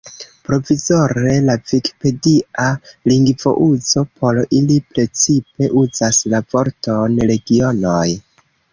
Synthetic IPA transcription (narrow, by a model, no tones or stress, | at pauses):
pɾo̞vizo̞ɾe̞laviki̥pe̞dialiŋɡvo̞̰ʔuzo̞pʰo̞ɾilipɾe̞t͡sipe̞ʔuzaslavo̞ɾto̞nɾe̞ɡio̞noj